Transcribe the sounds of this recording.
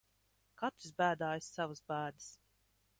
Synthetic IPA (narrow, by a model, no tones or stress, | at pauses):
kat̪ɾisbæːd̪aːjsːavazbæːd̪ɨs